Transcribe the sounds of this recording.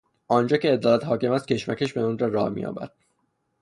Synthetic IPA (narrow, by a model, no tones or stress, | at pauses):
ʔɒːnd͡ʒɒːcʰeːd̪ɒːlæt̪hɒːcʰe̞mæst̪̚cʰe̞ʃmæcʰeʃbeunrɒɾɒːhmḭjɒ̰ːbæ̰d̪̥̚